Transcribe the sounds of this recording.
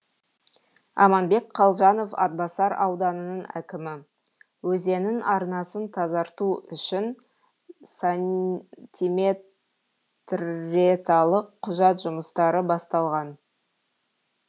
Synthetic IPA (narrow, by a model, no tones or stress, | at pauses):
ɑ̰mɑnbe̞kqʰɑlˠʒɑno̞fɑ̰t̪̚bɑsɑɾɑwd̪ɑnənəɴæ̰kʲɪmɪ | wɵze̞nɪnʔɑɾnɑsənt̪ʰɑzɑɾt̪uʏʃɪn | sa | t̪ʲime | t̪ret̪alˠəqʰːʊʒɑt̪ʒʊməst̪ɑɾəbɑst̪ɑlˠʁɑn